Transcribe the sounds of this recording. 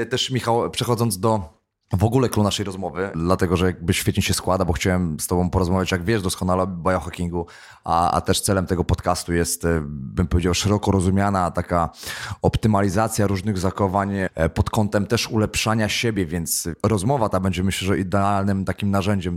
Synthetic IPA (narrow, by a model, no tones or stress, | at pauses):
t̪ɛʂmʲixawpʂɛxɔd̪zɔnd̪ɔ | vɔɡulɛkɾunaʂɛjɾɔzmɔvɘd̪lat̪ɛɡɔʐɛjaɡ̚bɘɕfʲɛt̪ɲiɕɛskwad̪abɔxt͡ɕawɛmst̪ɔbɔ̃w̃pɔɾɔzmavʲjat͡ɕjaɡvʲjɛʐd̪ɔskɔnalɛbajɔxakʲiŋɡu | ʔa̰a̰t̪ɛʂt̪sɛlɛmt̪ɛɡɔpɔt̪kast̪ujɛst̪bɘmpɔvʲed͡ʑawʂɛɾɔkɔɾɔzumʲjanat̪akaɔpt̪ɘmalʲizat̪sʲjaɾuʐnɘɣzaxɔvaɲpɔt̪kɔnt̪ɛmt̪ɛʂulɛpʂaɲaɕebʲjɛvʲjɛnt̪sɾɔzmɔvat̪abɛɲd͡ʑɛmɘɕlɛʐɛʔid̪ɛalnɘmt̪akʲimnaʐɛɲd͡ʑɛm